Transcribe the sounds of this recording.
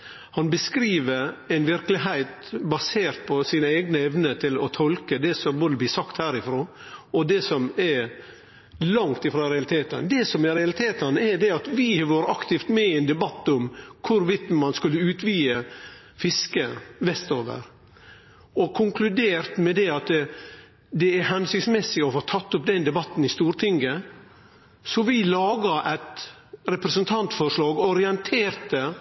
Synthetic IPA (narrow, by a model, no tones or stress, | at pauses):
hɑnbəskɾiːʋəɾæɪnʋɪɾklɪɦæɪt̪bɑseːɾt̪̚pʰɔsiːnəeɪɡnəɛʋnət̪ʰɪlɔt̪ʰɔlkəd̪ɛsɔmboːd̪əb̪lɪːsɑkt̪hæːɾɪfɾoː | ɔd̪ɛsɔmɛɾ | lɑŋt̪ɪfɾɑːɾɛɑlɪt̪ʰeːt̪ə̰nd̪ɛsɔmɛɾɛɑlɪt̪ʰeːt̪ənɛd̪ɛɑt̪ʋɪʋɑːɾɑkt̪ɪft̪mɛɛɪnd̪ɛbɑt̪ːʊmkʰʊɾʋɪt̪mɑnskʉlːəʉːt̪ʰʋiːə | fɪskəʋɛst̪oːʋə̰ɾ | ɔkʰʊŋkʰlʉd̪eːɾt̪mɛd̪ɛɑt̪ | d̪ɛæɾhɛnsʏksmɛsɪɔfoːt̪ʰɑt̪ːʊpd̪ɛnd̪ɛbɑt̪ːn̩ɪst̪uːɾt̪ʰɪŋɡə | sɔʋɪlɑːɡɑʔɛt̪ | ɾɛpɾɛsənt̪ʰɑnt̪fɔʂɭɑːɡɔɾɪɛnt̪ʰeːɾt̪ə